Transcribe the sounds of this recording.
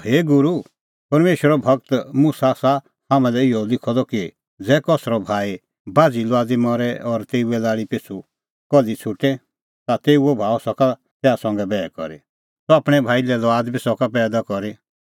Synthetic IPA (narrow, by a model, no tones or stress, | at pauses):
heːɡʊɾu | pɐɾmeːʃwəɾɔbʱɐk̚t̪mʊsasa | hamɛ̃lɛɪɔlɪkʰɔd̪ɔki | d͡zɛːkɔsɾɔbʱaːi | baːd͡zilɔaːd͡zimɔɾɛɔɾt̪eːuɛlaːɽipet͡sʰu | kɔlit͡sʰʊʈɛ | t̪at̪eːuɛbʱaːɔsɔka | t̪ɛːasɔ̃ŋɡɛbɛːkɔ̰ɾi | sɔaːpɽ̃ɛbʱaːilɛlɔaːd̪bisɔkapɛːd̪akɔɾi